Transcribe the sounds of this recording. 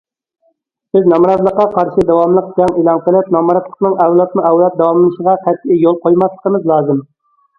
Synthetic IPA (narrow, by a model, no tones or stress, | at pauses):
bɪznɑmɾɑzlˠəqːɑqʰɑɾʃɪd̪ɑwɑmlˠəq̚ʲɑŋelˠɑŋqəlˠɪp̚nɑmɾɑt̪lˠə̥qnɨŋɛwlˠɑt̪̚muʔɛwlˠɑt̪̚d̪ɑwɑmlˠɨnɨʃəʁɑqʰɛt̪ʰːɪjolˠqʰojmɑslˠə̥qəmɪzlˠɑːzɨm